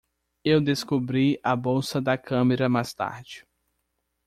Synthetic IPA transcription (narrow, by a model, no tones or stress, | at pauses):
ewd̪eskobɾiɐbowsɐd̪ɐkʰɐ̃meɾɐmajst̪a̰ɾd͡ʒɪ̥